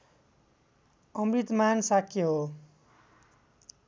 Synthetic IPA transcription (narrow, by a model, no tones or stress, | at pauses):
ʌmrit̪mansakʰːjeɦo